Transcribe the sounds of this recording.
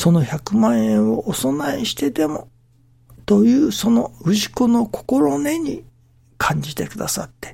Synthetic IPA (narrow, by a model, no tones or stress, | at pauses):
so̞no̞çakɯ̟mãɰ̃ẽɰ̃oʔoso̞naiɕi̥t̪e̞t̪e̞mo̞ | t̪o̞jɯ̟ːso̞no̞ɯ̟ʑikono̞kʰo̥ko̞ɾone̞ɲ̟i | kʰãɲ̟d͡ʑit̪e̞kɯ̟d̪asa̰t̪ːe̞̥